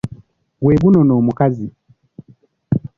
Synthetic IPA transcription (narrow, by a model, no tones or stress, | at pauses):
ɡweːɡunɔnoːmukazi